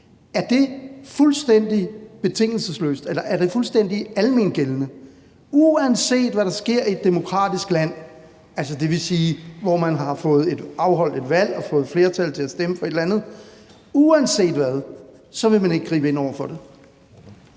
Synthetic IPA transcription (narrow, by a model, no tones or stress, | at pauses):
æɐd̥e̝fulsd̥en̰d̥ib̥e̝t͡sʰe̝ŋ̰l̩səslø̰ːsd̥elɐʔæɐɾe̝fulsd̥en̰d̥iælme̝nɡ̥elnə | uænse̝̰ːd̥ʋæɾɑ̈sɡ̥e̝ɐ̰ied̥ːe̝mo̝kʰʁɑ̰̈ːd̥isɡ̥læn̰ | æls̬əd̥e̝ʋe̝siːʋɒmænɦɑ̈fɔ̽ːð̞̩ˠe̝d̥ɑ̈ʊɦɒ̽l̰d̥e̝d̥ʋæl̰ɒ̽fɔ̽ːð̞̩ˠfle̝ːɐt͡sʰæl̰t͡sʰe̝æsd̥eməfɒ̽e̝d̥lænð̩ˠ | uænse̝̰ːd̥ʋæðˠ | sɒ̽ʋe̝mæne̝ɡ̥ɡʁḭːbəe̝n̰ɒʊ̰ɐfɒ̽ɾe̝